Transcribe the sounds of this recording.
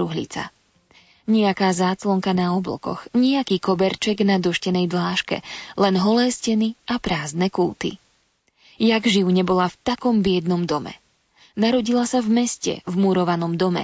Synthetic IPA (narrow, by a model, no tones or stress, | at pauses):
uɦlḭt͡sa̰ | ɲɛakaːzaːt͡slɔŋkanaɔblɔ̰kɔ̰xɲɛakiːkɔbɛɾt͡ʃɛɡnad̪ɔʃcɛnɛjd̪laːʃkɛ̰lɛnɦɔlɛːscɛniʔapɾaːznɛkuːt̪ḭ | jaɡʒiʊɲɛbɔlaft̪akɔmbɪɛd̪nɔmd̪ɔmɛ̰ | naɾɔɟilasavmɛscɛ̰vmuɾɔʋanɔmd̪ɔmɛ̰